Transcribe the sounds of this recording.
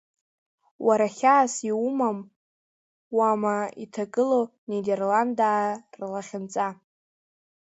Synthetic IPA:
wʔaɾaχʲaːsiumam | wamaitʰakʼɨlonederlandaːrlaχʲɪnt͡sʼa

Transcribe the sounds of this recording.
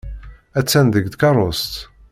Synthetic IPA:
æt͡sːænd̪əɡd̪kɑrˤost̪

